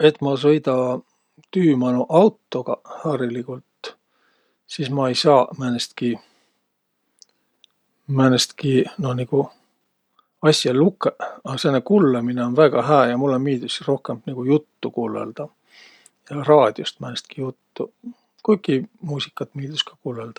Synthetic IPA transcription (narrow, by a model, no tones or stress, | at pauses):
e̞t̪ːˑmɑs̬ɤjd̪ɑ | t̪yːmɑnuʔɑwt̪ːo̞ɡ̥ɑhɑːɾilikult̪ | siːsmɑejsɑːmænest̪ki | mænest̪kino̞niɡ̥u | ɑsʲjɑlukːˑeɑsenːekulːemineo̞nvæɡ̥ɑɦæːjɑmulːemiːd̪̥usro̞hkembniɡ̥ujut̪ːukuːlḛld̪̥ɑ | jɑrɑːd̪̥ʲjost̪mænest̪̚kijut̪ːu | kujkːˑimuːsʲikːˑɑt̪miːd̪̥uskɑ̥kuːleld̪̥ɑ̥